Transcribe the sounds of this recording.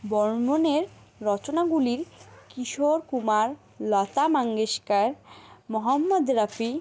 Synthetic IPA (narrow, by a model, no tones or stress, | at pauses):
bɔɾmoneɾ | ɾɔt͡ɕonaɡuliɾkiʃoɾkumaɾ | lɔt̪amaŋɡeʃkaɾmɔɦamːod̪ɾafi